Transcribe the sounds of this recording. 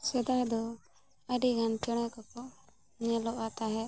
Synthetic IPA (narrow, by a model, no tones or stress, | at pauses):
sɛd̪aɦd̪ɔ | əɖiɡant͡ʃɛɽ̃ɛkɔkɔ | ɲɛlɔʔat̪aɦɛ